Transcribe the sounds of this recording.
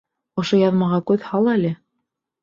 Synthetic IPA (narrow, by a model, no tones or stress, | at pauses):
ŏʃojɑðmɑʁɑkʉðhɑlˠælɘ